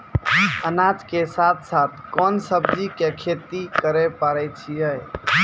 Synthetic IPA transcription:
ənad͡ʒkesat̪ʰsat̪ʰkɔnsəb̚d͡ʒikekʰet̪ikəɾɛpəɾɛt͡ʃʰijəj

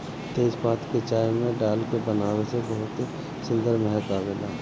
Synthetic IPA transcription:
t̪eːzbaːt̪ket͡ʃaːɪmːẽɖaːlkebɐnaːwesebɐɦʊt̪i | sʊ̃nd̪əɾmɛɦət̪aːbelaː

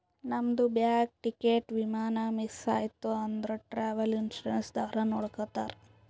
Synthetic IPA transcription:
nɐmd̪ubjaːk̚ʈikeːʈʋimaːnamisa̰ːjt̪ːuɐnd̪ɾuʈɾaːʋɐlinʃuɾensd̪aːɾɐnoːɽkɐt̪a̰ːɾe

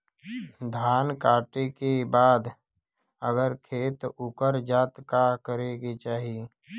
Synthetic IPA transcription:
d̪ʱaːnkaːʈekebaːd̪ | əɡəɾkʰeːt̪ʊkəɾd͡ʒaːt̪kakəɾeɡet͡ʃaːɦi

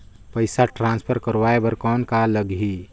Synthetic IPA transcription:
pəɪsaʈɾãːnspʰəɾkəɾwaːebəɾkɔːnkaləɡɦi

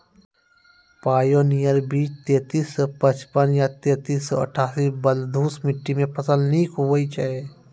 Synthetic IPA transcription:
paːjonijəɾbiːt͡ʃt̪eːt̪iːspət͡ʃpənjat̪eːt̪iːsɔə̰ʈʰaːsibəld̪ʱuːsmɪʈːimẽpəsəlniːkɦowəit͡ʃae

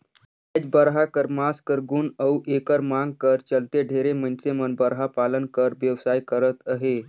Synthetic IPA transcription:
əd͡ʑbəɾɦakəɾmaskəɾɡuːnəwʔekəɾmaŋɡ̚kəɾt͡ɕəlt̪eɖʱeɾemənsemənbəɾɦapalənkəɾʋjəʋsajkəɾət̪əɦe

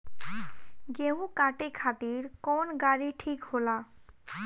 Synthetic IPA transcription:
ɡeɦũkaʈekʰat̪iɾkɔnɡaɾiʈʰikɦola

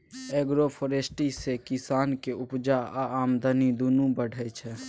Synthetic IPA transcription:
ɛɡɾopʰoɾesʈisekɪsaːnkeʊpd͡ʒaaaːmd̪ʱənid̪unũbəɽ̤ʱət͡ʃʰɛ

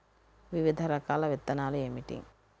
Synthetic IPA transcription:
ʋiʋid̪ʱɐɾɐkaːlɐʋet̪ːɐnaːluemiʈḭŋ

